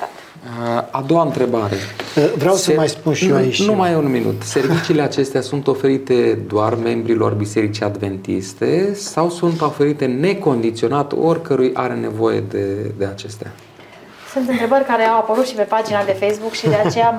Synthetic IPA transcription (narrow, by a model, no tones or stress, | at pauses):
ad̪o̞waɨnt̪ɾe̞baɾe̞vɾeawsəmajspunʃiaiʃnʲumajunminṵt̪se̞rvit͡ʃiːle̞at͡ʃe̞st̪easunt̪o̞fe̞ɾit̪e̞d̪oarme̞mbɾilo̞̰rbise̞ɾit͡ʃiad̪ve̞nt̪ḭst̪e̞sawsunt̪ofe̞ɾit̪e̞ne̞ko̞nd̪it̪sio̞nat̪o̞rʲkəɾujʔa̰ɾe̞ne̞vo̞je̞̰d̪ed̪e̞at͡ʃe̞st̪ea̰ | sunt̪ɨnt̪ɾe̞bərʲkaɾeawapəlut̪ʃipe̞pad͡ʒinad̪e̞fejsbukʃid̪e̞adt͡ʃeja